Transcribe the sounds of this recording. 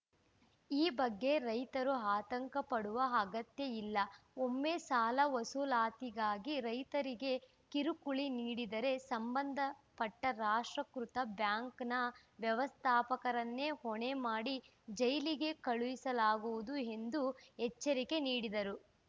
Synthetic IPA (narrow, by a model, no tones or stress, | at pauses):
iːbɐɡːe̞ɾɐjt̪ɐɾuɦaːt̪ɐŋkɐpɐɽuʋɐːɡɐt̪jeilːɐomːeːsaːlɐʋɐsulaːt̪iɡaːɡiɾɐjt̪ɐɾiɡe̞ | kiɾukuɭiniːɽid̪ɐɾe̞sɐmbɐnd̪ʱɐpɐʈːɐɾaːʂʈɾɐkɾut̪ɐbjaːŋknɐʋjɐʋɐst̪ʰaːpɐkɐɾɐnːe̞hoɳe̞maːɽi | d͡ʒɐjliɡe̞kɐɭuʋisɐlaːɡuʋud̪ue̞nd̪uɦɛt͡ʃːɐɾike̞niːɽid̪ɐɾu